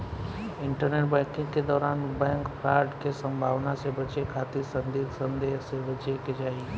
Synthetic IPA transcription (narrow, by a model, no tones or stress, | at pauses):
ɪ̃ɳʈəɾneːʈbɛ̃ːŋkɪ̃ŋɡked̪ɔːɾaːnbɛ̃ːŋkfʰɾaːɾɖkesɐ̃mbʱaːʋnasebɐt͡ʃekʰaːt̪isə̃nd̪iːksɐ̃nd̪eːɦsebɐt͡ʃeked͡ʒaːi